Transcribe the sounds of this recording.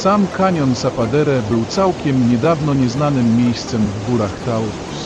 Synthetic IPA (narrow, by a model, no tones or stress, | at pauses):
samkaɲɔnsapad̪ɛɾɛbɘwt̪sawkʲɛmɲɛd̪avnɔɲɛznanɘmːʲjejst̪sɛmvɡuɾaxt̪awɾu